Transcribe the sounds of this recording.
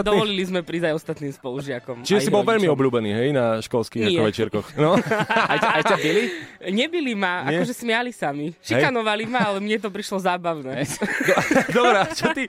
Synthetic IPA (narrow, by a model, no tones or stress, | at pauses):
d̪ɔʋɔllilizmɛpɾiːzajɔst̪at̪niːmspɔluʒɪakɔmt͡ʃiʒʒɛjsibɔlʋɛʎmiɔbʎuːbɛniːɦɛjnaʃkɔlskiaɪkɛɔʋɛt͡ʃɪɛɾkɔxnɔaajabiliɲɛbilimaa̰kɔʒɛsmɪalisamiʃikanɔʋalimaalɛmɲɛt̪̬ɔpɾiʃlɔzaːbaʊnɛd̪d̪ɔbɾɛt͡ʃɔt̪i